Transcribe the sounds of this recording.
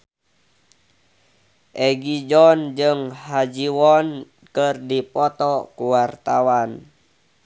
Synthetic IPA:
ʔɛɡid͡ʒɔnd͡ʒɨŋhad͡ʒiwɔn | kɨrdipɔt̪ɔkuwart̪awan

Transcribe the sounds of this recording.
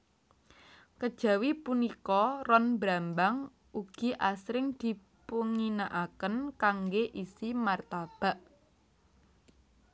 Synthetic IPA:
kəd̥ʒ̥ä̤wipunikɔrɔnbɾambaŋ | uɡ̥i̤ʔasɾɪŋd̪̥i̤ | puŋinaʔakənkaŋɡeʔisimart̪ab̥a̤ʔ

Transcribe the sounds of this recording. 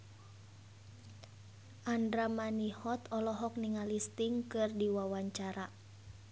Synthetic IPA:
ʔandɾamanihɔt̪ɔlɔɦɔk̚niŋalist̪iŋkɨrdiwawaɲt͡ʃaɾa

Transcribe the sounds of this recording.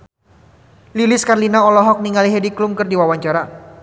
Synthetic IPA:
lilɪskarlinaɔlɔɦɔk̚niŋaliɦɛdiklʊmkɨrdiwawaɲt͡ʃaɾa

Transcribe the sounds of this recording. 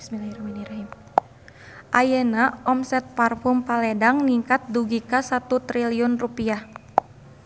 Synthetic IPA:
smilaiɾaminiɾaɦim | ʔajɛnaɔmsɛt̪̚parfʊmpalɛdaŋniŋkat̪̚duɡikasat̪ut̪ɾiliɔnrupiah

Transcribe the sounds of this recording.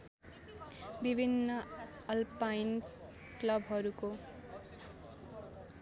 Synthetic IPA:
bibʱinːʌ | ʌlpain | klʌbʱɦʌɾuko

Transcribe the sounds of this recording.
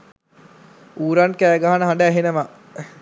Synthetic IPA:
uːɾankæːɡaɦanəɦaɳɖaːɦenəʋa

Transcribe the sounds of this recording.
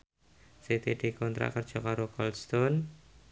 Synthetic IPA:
sit̪id̪ikɔnt̪ɾa̰kərd̥ʒ̥ɔ̤kaɾokɔlst̪ɔn

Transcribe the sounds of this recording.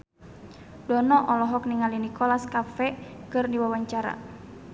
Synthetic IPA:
dɔnɔʔɔlɔɦɔk̚niŋalinikʰɔlaskafɛkɨrniwawaɲt͡ʃaɾa̰

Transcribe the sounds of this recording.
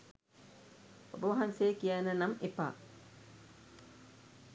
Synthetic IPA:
obəʋɐɦanseːkijanːənamepa̰

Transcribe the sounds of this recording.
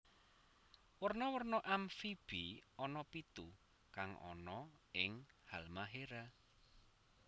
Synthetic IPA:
wərnɔwərnɔʔamfib̥iɔnɔpit̪u | kaŋɔ̰nɔɪŋhalmaɦeɾa

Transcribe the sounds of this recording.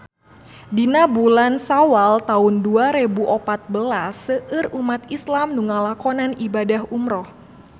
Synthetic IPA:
dinabulansawalt̪aʊnduaɾebuʔɔpat̪̚bəlasːəʔɨrumat̪islamnuŋalakɔnanibadaɦumɾɔh

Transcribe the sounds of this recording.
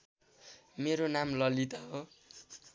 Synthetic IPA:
meɾonamlʌlit̪aɦo

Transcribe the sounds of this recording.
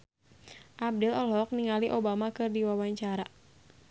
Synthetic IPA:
ʔab̚dɛlɔlɔk̚niŋaliʔobamakɨrdiwawaɲt͡ʃaɾa

